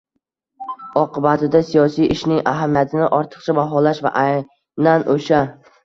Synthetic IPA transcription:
ɒqʰɨbat̪ʰɪd̪asijɒsijʔɪʃnɪŋaɦamijat̪ʰɪnɪʔɒɾt̪ʰɨ̥q̚t͡ʃʰabaɦɒlaʃva̰ʔa | nanʔoʃa

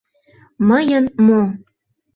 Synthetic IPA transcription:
məjənmo

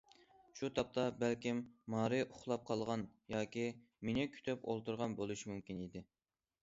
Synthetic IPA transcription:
ʃut̪ʰɑp̚t̪ʰɑbælkʲimːɑːɾɨʔʊχlˠɑp̚qʰɑlˠʁɑnjɑːkʲi | menɪkʲʰy̥t̪ʰɛpo̰lˠt̪uɾʁɑnbolˠuʃimumkʲinid̪ɪ

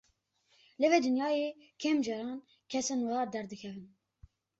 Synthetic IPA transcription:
lɨved̪ɨnjɑːjeː | kʲʰɛmd͡ʒɛɾɑːn | kʲʰɛsɛnwɑːd̪ɛɾd̪ɨkʰʲɛvɨn

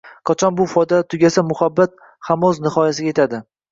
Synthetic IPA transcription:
qʰɑt͡ʃʰɒnbʊfɒjd̪at̪ʰʊɡʲasamʊhabːat̪̚ | hamɒznɪhɒjasɪɡʲajet̪ʰad̪ɪ

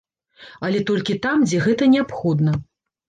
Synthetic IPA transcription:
ɐlʲɛt̪ɔlʲkʲit̪amd͡zʲɛɣɛt̪ɐnʲɛapxɔd̪nɐ

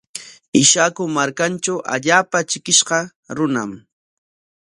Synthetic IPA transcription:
ɪʃakʊmaɾkant͡ʃawʔa̰ʎaːpat͡ʃɪkɪʃɢɑ | ɾʊna̰m

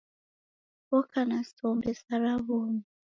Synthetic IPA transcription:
wɔkanasɔmbɛsaɾaβomi

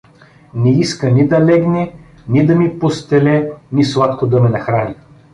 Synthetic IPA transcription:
nɛiskənʲid̪ɐlɛɡnɛ | nid̪ɐmipost̪ɛlɛnʲislˠat̪kod̪ɐmɛnɐxɾanʲi

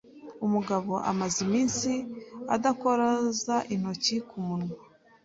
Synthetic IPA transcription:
umuɡaβo̞ʔa̰mazimiːnsia̰dakoɾazaʔin̥ho̞cikumunu

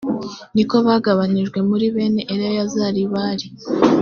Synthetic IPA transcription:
niko̞βaːɡaβaniʒɡwe̞muɾiβe̞ːne̞ʔeɾajjazaːɾiβaːɾi

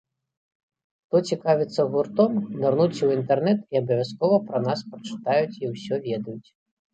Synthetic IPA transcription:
xt̪ɔt͡sʲikavʲit̪sːɐɣurt̪ɔmnarnut͡sʲwint̪ɛrnɛt̪iɐbɐvʲaskɔvɐpɾɐnaspɾɐt͡ʂɨ̥t̪ajut͡sʲiwsʲɔvʲɛd̪ɐjut͡sʲ

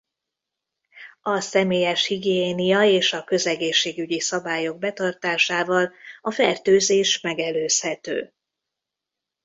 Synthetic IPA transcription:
ɒsɛmeːjɛʃhiɡijeːnijɒeːʃɒkø̞zɛɡeːʃːeːɡyɟisɒbaːjo̞ɡ̚bɛt̪ɒrt̪aːʃaːvɒlɒfɛrt̪øːzeːʃmɛɡɛløːshɛt̪ø̰ː

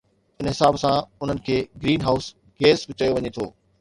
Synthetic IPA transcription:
ɪnɦɪsaːbsãʊn̤ənɪ̆kʰeːɡɾiːnɦaːʊs | ɡeːsbɪt͡ɕəjoʋɐɲet̪ʰoː

